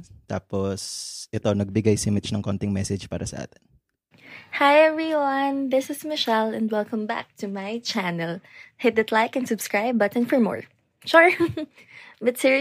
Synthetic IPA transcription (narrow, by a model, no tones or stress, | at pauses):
t̪a̰ːposʔɪt̪onɐɡ̚bɪɡajsɪmɪt͡ʃnɐŋkont̪ɪŋmɛsɛd͡ʒpa̰ːɾɐsɐ̰ʔa̰ːt̪ɪ̥n | hajɛvɹiwɐ̃nðɪsɪsmɪʃɛlɛ̃nd̪wɛlˠkɐ̃mba̰k̚t̪ʰumajt͡ʃænɛlhɪd̪ɨd̪laɪkɛ̃nsʊbskɹaɪbɐt̪ɛ̃nfɔɹmɔ̰ɹ | ʃuɹ | bɐt̪sɪɹ